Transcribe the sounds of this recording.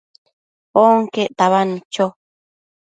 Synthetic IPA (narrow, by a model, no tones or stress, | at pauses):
oŋkeʔt̪aβanĩt͡ʃo